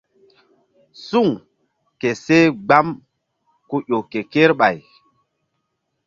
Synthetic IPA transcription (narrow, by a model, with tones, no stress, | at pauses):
su˦˨ŋ | ke˨se˦ɡ͡ba˦m | ku˦ʔo˨ke˨ke˦ɾɓa˨j